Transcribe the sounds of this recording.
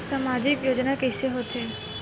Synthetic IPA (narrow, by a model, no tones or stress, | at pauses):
saːmaːd͡ʒɪkjoːd͡ʒnakɛːseɦoːt̪eː